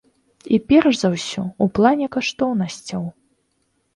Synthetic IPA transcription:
ipʲɛrʐzɐwsʲɔuplˠanʲɛkaʂt̪ɔwnɐsʲt͡sʲɐw

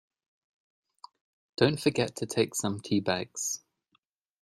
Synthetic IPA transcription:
d̥ə̃ʊ̃ntfəɡɛtʰətʰeɪksə̃mtʰiːbaɡ̥z̥

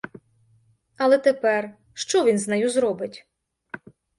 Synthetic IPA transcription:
ɐlˠɛt̪epɛr | ʃt͡ʃɔʋʲinznɐjuzɾɔbɪtʲ

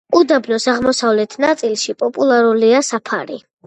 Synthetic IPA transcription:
ud̪abnɔsaʁmɔsavlɛt̪ʰnat̪sʼilˠʃipʼɔpʼulˠaɾuliasapʰa̰ɾḭ

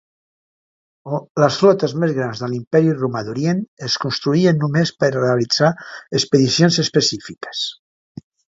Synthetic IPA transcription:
ləsflɔt̪əzmezɣɾanzðəlimpɛɾirumaðuɾjenəskunst̪ɾuiənːumespəɾreəlid͡zaəspəðisjonzəspəsifikə̥s

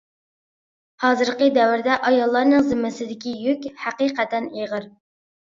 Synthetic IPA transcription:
hɑːzɨɾqəd̪ɛwɪɾd̪ɛʔɑjɑlˠːɑɾnɨŋzɪmːɪsɪd̪ɪkʲijykʲhæqiqɛt̪ʰɛneʁəɾ

